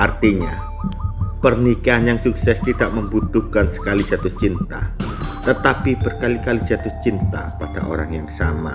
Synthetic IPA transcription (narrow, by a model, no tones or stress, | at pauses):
ʔart̪iɲa | pərnikaɦanjaŋsuk̚sɛst̪id̥aʔməmbut̪uhkansə̥kali̥d͡ʒ̥at̪ʊht͡ʃint̪a̰t̪ət̪apib̥ərkalikali̥d͡ʒ̥at̪uht͡ʃint̪a̰pad̥a̰ʔo̰ɾa̰ŋjaŋsama̰